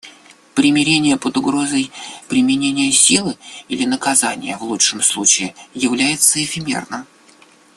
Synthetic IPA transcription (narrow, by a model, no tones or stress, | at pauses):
pɾʲɪmʲɪɾʲenʲɪjəpəd̪ʊɡɾo̞zəjpɾʲɪmʲɪnʲenʲɪjəsʲilˠɨilʲɪnəkɐzanʲɪ̰jəvlˠutʂəmslˠut͡ɕɪɪjɪvlʲæjɪt̪səɪfʲɪmʲḛrnə